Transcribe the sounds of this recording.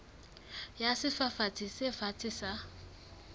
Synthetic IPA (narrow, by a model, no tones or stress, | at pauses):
jasɪfafat͡sʰʼisɪfat͡sʰʼisa